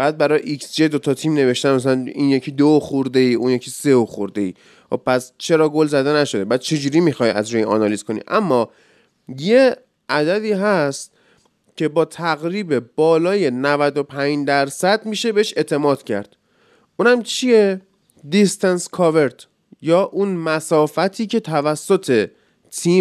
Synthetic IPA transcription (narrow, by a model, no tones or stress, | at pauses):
b̥æːd̪̚bæɾɒːjʔiksd͡ʒed̪o̞t̪ʰɒt̪ʰiːmne̞ve̞ʃt̪ænmæs̬ælænḭːnjecʰiːd̪ooxuɾd̪e̞iːʔuːnjecʰiːse̞oxoɾd̪e̞iː | xobpæst͡ʃʰe̞ɾɒːɡo̞lzæd̪e̞næʃo̞d̪e̞bæːd̪̥̚t͡ʃʰe̞d͡ʒuːɾiːmixɒːjæ̰zɾujeiɒ̰nɒlizkʰo̞nḭːʔæmːɒː | je | ʔæd̪æd̪iːɦæst̪ | cʰe̞bɒːt̪ʰæɣɾiːbeb̥ɒːlɒːje̞nævæd̪o̞pʰæɲd͡ʒd̪æɾsæd̪miːʃe̞beeʃe̞t̪ʰe̞mɒːd̪̥cʰæɾd̪̥ | ʔunæmt͡ʃʰie | d̪ist̪ʰænskʰɒve̞ɾt̪ | jɒːʔunmæsɒːfæt̪ʰiːcʰe̞t̪ʰævæsːot̪ʰe̞ | t̪ʰiː